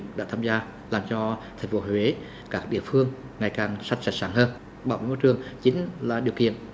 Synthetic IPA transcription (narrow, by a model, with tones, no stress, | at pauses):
ɗa̰ː˧˥t̪ʰaː˧mzaː˧ | laː˨˩mt͡ɕɔ˧t̪ʰɛ˨˩ŋ̟fo˨˦hwe˨˦ | kaː˦˥k̚ɗḭ˧˨əfɨ˧əŋː | a˨˩jkaː˨˩ŋsa˧jŋ̟sa˦˥t̚saː˧˩ŋhəː˧n | ɓaː˧˩wɓḛ˨˦mo˧˦jt͡ɕɨ˨˩əŋt͡ɕï˨˦ŋ̟laː˨˩ɗi˨˩əwkḭ˧˨ən